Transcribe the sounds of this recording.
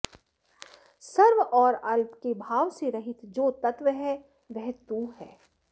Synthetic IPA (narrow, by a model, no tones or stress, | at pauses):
sɐɾʋɔːɾɐlpkebʱaːʋseɾɐɦɪt̪ʰd͡ʒoːt̪ɐt̪ʋəɦɛ | ʋɛɦt̪uɦɛː